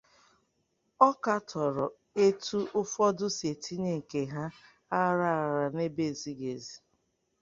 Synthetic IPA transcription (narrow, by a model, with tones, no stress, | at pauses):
ɔ˦ka˦tʰɔ˨ɾɔ˨ | e˦tu˦ʊ˦fɔ˦dʊ˦se˨tʰi˦ne˨ŋ̩˨ke˨ɦa˦ | a˦ɾa˦˨ɾa˨ne˦be˦˨zi˨ɡe˨zi˨